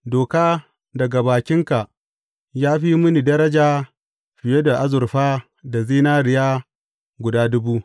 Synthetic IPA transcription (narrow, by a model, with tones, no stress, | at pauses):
doː˨kaː˦ | dɐ˨ɡa˨baː˨kʲɪ˦ŋka˨ʔ | jaː˦ɸi˦mʊ˦ni˨dɐ˦ɾɐ˦d͡ʒaː˦ | ɸɪ˨je˦da˨ʔa˦zʊ˨rɸaː˦ | da˨zeː˦naː˦ɾɪ˨jaː˦ | ɡʷʊ˨daː˦dʊ˦buː˦